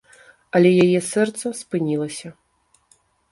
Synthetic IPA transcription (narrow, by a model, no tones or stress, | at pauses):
ɐlʲɛjajɛsɛrt̪sɐspɨnʲilˠɐsʲɐ